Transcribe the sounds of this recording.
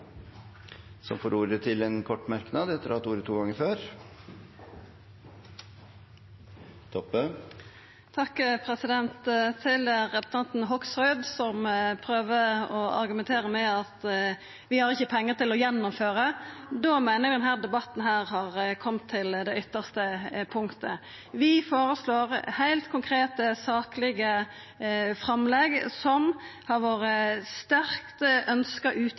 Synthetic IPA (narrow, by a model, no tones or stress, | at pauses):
sɔmfoːɾuːɾət̪ʰɪlɛnkʰɔʈːmæɾknɑd̪ɛt̪ːəɾɑt̪uːɾət̪ʰːuːɡɑŋːəɾføːɾ | t̪ʰɔpːə | t̪ʰɑkːpʰɾɛsɪd̪ɛnt̪t̪ʰɪlʁɛpʊ̥st̪ʰɑnt̪n̩ɦɔksʁɔʏd̪sɔmpʰɾøːʋəɔɑ̰ɾɡʉmɛnt̪ʰeːɾəmɛɑt̪ | ʋɪhɑɾɪçːəpʰɛŋːəʁt̪ɪlɔjɛnːʊmføːɾəd̪ɔmæɪnəɾʋɪd̪ɛnhæːʁd̪ɛbɑt̪n̩ɦæːɾhɑʁkʰɔmt̪ʰːɪld̪ɛʏt̪ːəʁst̪əpʰʊŋkt̪ə̰ | ʋɪfoːɾəsloːɾhæɪlt̪kʰʊŋkʰɾeːt̪əsɑːklɪɡə | fɾɑmlɛɡsɔmhɑɾʋoːɾəst̪æɾkt̪əʔœnskəɾʔʉːt̪